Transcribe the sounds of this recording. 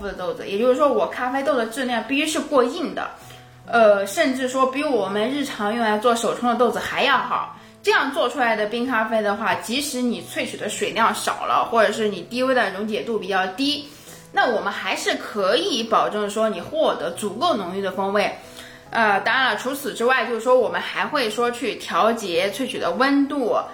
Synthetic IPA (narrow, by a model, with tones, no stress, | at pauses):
fu˧˩d̪ə˩t̪o˥˩ʊd͡zɹ̩˨˩jɛ˨˩t͡ɕo˥˧ʂɻ̩˥ʂwɔ˥wɔ˨˩kʰa˥fe˥ɪt̪o˥˩ʊd̪ə˩ʈ͡ʂɻ̩˥˧ljŋpi˥˩ɕy˧˥ʂɻ̩˥˧kwɔ˥˧i˥˩ŋd̪ə̰˩ | ə˥˧ʂə˥˧nʈ͡ʂɻ̩˥˩ʂwɔ˥pi˧˥ɻu˥wɔ˨˩mə˦nɻɻ̩˥˩ʈ͡ʂʰɑ˧˥ŋjʊ˥˧ŋ˧la˧˥ɪt͡swɔ˥˩ʂo˨˩ʊʈ͡ʂʰʊ˥ŋd̪ə˧t̪o˥˩ʊd͡zɹ̩˩xa˧˥ɪjɑ˥˩ʊxɑ˨˩˦ʊ | ʈ͡ʂɤ˥˧jɑ˥˧ŋt͡swɔ˥˩ʈ͡ʂʰu˥la˧˥ɪd̪ə˧pi˥ŋkʰa˥fe˥ɪd̪ə˨xwa˥˩t͡ɕi˧˥ʂɻ̩˧˥ni˨˩t͡sʰwe˥˩ɪt͡ɕʰy˨˩d̪ə˦ʂwe˨˩ɪljɑ˥˩ʊʂɑ̰˨˩ʊlə̰˦xwɔ˥˩ʈ͡ʂɤ˨˩ʂ̬ɻ̩˥˩ni˨˩t̪i˥we˥ɪd̪ə˨˩ɻʊ˧˥ŋt͡ɕjɛ˨˩t̪u˥˩pi˨˩t͡ɕjɑ˥˩ʊt̪i˥ | na˥˩wɔ˨˩mə˦nxa˧˥ɪʂɻ̩˥˩kʰɤ˧˥i˧˥pɑ˨˩ʊʈ͡ʂɤ˥˩ŋʂwɔ˥ni˨˩xwɔ˥˩t̪ɤ˧˥t͡su˨˩ko˥˩ʊnʊ˧˥ŋy˥˩d̪ə˩fɤ˥ŋwe˥˩ɪ | ə˧t̪ɑ˥ɻa˧nlə˨˩ʈ͡ʂʰu˧˥t͡sʰɹ̩˨˩ʈ͡ʂɻ̩˥wa˥˧ɪt͡ɕjo˥˧ʊʂɻ̩˥˩ʂwɔ˥wɔ˨˩mə˦nxa˧˥ɪxwe˥˩ɪʂ̩˥ʂwɔ˥t͡ɕʰy˥˩t̪ʰjɑ˧˥ʊt͡ɕjɛ˧˥t͡sʰwe˥˩ɪt͡ɕʰy˨˩d̪ə˦wə˥nt̪u˥˩